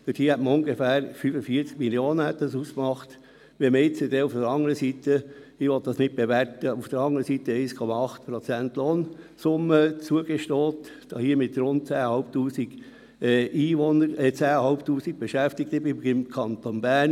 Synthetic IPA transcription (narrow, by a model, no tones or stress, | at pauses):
fɪdiːəhɛtməʊŋɡefæːɾfyfəfiət͡sk̚miljoːnəhɛt̪dɑsuːskmɑχt | ʋɛmɪt͡sədɛufd̥əɾɑŋəɾəsiːtəɪʋɔt̪̚d̥ɑsnɪt̚b̥eʋɛɾtəufd̥əɾɑŋəɾəsiːt̪əɛɪskʰɔmɑɑχtpɾɔt͡sæntloːnsʊmət͡suəɡeʃtoːtd̪̥ɑhiːəmɪtɾʊnt̚t͡sæːhɑʊp̚tuːsiɡ̥ | ʔiːʋɔnəɾt͡sæːhɑʊptuːsik̚b̥eʃæft̪ɪktəbɪmɡɪmkʰɑnt̪onbæɾn